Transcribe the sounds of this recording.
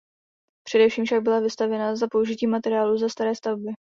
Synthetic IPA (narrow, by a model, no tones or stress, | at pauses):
pr̝̥ɛdɛfʃiːmfʃaɡ̚bɪlavɪst̪avjɛnazapo̞uʒɪciːmat̪ɛɾɪaːluzast̪aɾɛːst̪avbɪ